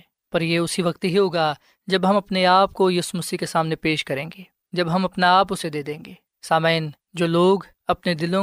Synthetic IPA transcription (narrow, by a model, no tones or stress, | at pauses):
pɐɾjeʊsiʋɐkt̪ɦiɦoːɡa | d͡ʒɐbɦɐmɐpneaːp̚kojɐsumɐsikesaːmnepeːʃkɐɾẽːŋɡeː | d͡ʒɐbɦɐmɐpnaaːp̬ʊsed̪eːd̪ẽːŋɡeː | saːməɪn | d͡ʒoːloːɡ | ɐpned̪ɪlõ